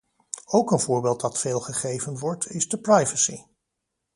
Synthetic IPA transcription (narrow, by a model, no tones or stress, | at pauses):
owkənvʊːɹbeːlˠt̚dɑtfeːlˠχəχejvənʋɔɹtʰɪzdəprajvəsi